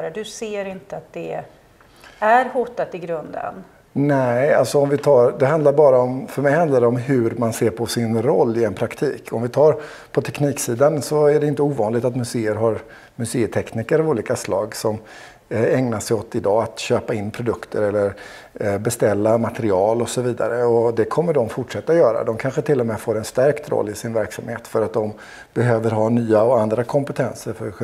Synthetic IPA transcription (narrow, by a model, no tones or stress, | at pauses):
ɾad̪ɵseːɾɪnt̪əat̪̚d̪̥ɛ | æɾhʊʈːat̪ɪɡɾɵnd̪ə̰n | nɛalsɔɔmvɪt̪ʰɑːɾd̪ɛɦand̪laɾbɑːɾaɔmfœɾmɛjhand̪laɖɛɔmɦɵɾmanseːɾpʰɔsɪnɾɔlːɪɛnpʰɾakt̪ʰiːkʰɔmvɪt̪ʰɑːɾ | pʰɔt̪ʰɛkniːksiːd̪ansɔæɖɛɪnt̪əuːvɑːnlɪɡ̚t̪at̪mɵseːəɾɦɑɾ | mɵseːət̪ʰɛkniːkəɾavuːliːkaslɑːɡsɔm | ɛŋnaʂɛjot̪ɪd̪ɑːat̪ɕøːpaɪnːpʰɾʊd̪ɵkt̪ʰəɾɛlːəɾ | bɛst̪ɛlːamat̪ɛɾɪɑːlɔsɔviːd̪a̰ɾəɔd̪ɛkʰɔmːəɖɔmfʊʈʂɛt̪ːaʊjœːɾa̰d̪ɔmkʰanɧət̪ʰɪlːɔmɛfoːɾɛnst̪æɾkt̪ɾɔ̰lːɪsɪnvæɾksamheːt̪fœɾat̪̚d̪ɔm | bɛɦøːvəɾɦɑːnyːaɔand̪ɾakʰɔmpɛt̪ʰɛnsəɾfœɾ